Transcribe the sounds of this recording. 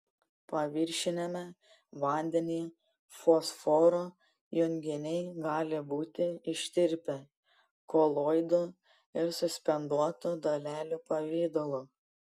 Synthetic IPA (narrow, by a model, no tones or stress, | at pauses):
pɐʋʲɪɾʲʃʲɪnʲɛmʲɛ | ʋɐˑnʲd̪ʲɛnʲiː | fosfɔːɾoː | jʊŋʲɡʲɪnʲɛɪɡɑːlʲɪbuːt̪ʲɪɪʃʲt̪ʲɪɾʲpʲɛ | koːlˠoːjd̪u | ɪɾsʊsʲpʲɛnd̪uɔt̪ud̪ɐlʲæːlʲuːpɐʋʲeːd̪olˠuː